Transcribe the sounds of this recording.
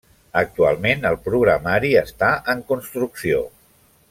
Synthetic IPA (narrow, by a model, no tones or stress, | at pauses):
ək̚t̪ua̰lˠmenəlˠpɾuɣ̞ɾəmaɾiəst̪aʔəŋkunst̪ɾuksio